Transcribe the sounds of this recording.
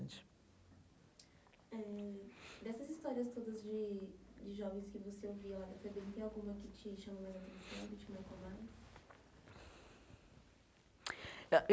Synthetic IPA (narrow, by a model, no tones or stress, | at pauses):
t͡ʃɪ̥ | ɛ̃ | d̪ɛsɐzist̪ɔɾiɐst̪od̪ɐzd͡ʒɪd͡ʒɪʒɔvẽj̃skɪvoseowvilad̪ɐfebẽt̪ẽawɡũmɐkɪt͡ʃɪʃɐ̃momajzɐt̪ẽsɐ̰̃w̃bit͡ʃɪmãkõmajs | ɛʔ